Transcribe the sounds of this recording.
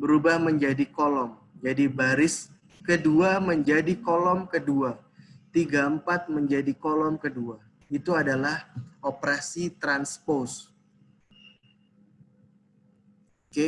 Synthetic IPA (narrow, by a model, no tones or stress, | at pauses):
bəɾubahməɲd͡ʒadikolɔm | d͡ʒadibaɾɪs | kəduaməɲd͡ʒadikolɔmkəduat̪iɡaəmpat̪̚məɲd͡ʒadikolɔmkədua | it̪uadalahopɾasit̪ɾanspos | ke